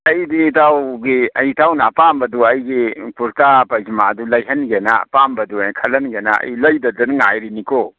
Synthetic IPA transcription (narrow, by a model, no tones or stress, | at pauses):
ɐjditawɡiɐjtʰawnaːpambɐduɐjɡipuɾtapɐjzimaɐdulɐjɦɐnɡena̰pambɐdukʰɐlɐnɡena̰ɐ̰jlɐjdɐdɐnŋajɾinikʰo